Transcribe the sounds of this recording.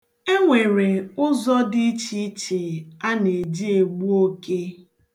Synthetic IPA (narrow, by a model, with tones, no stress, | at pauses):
e˦ŋʷe˨ɾe˨ʊ˦zɔ˦dɪ˦t͡ʃi˦t͡ʃe˨a˦ne˨d͡ʒi˦e˨ɡ͡bu˦o˦ke˦